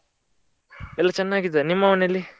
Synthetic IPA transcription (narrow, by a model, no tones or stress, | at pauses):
ɛlːɐt͡ʃɛnːaːɡid̪enimːɐʋɐnelːi